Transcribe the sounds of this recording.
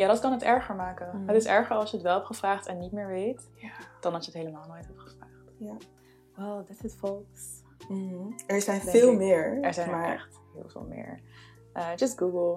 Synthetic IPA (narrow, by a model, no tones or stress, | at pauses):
jaːdɑtkɑnətɛɹχəɹmaːkənɦətɪsɛɹχəɹɑlˠsjəətʋɛlˠɦɛpχəv̥raːχtɛnːit̚mɪːɹʋejt | d̥ɑnɑsjəətɦejləmaːlˠnojtɦɛp̚tχə̥vraːχt | odtətfɔlˠs | m̩ɛɹzɛjnfɪːlˠmɪɹɛɹzɛjɛ̰χt | ɦɪ̰ːlˠvɪ̰ːlˠmɪ̰ːɹ | ʔəd͡ʒʌsɡuɡəlˠ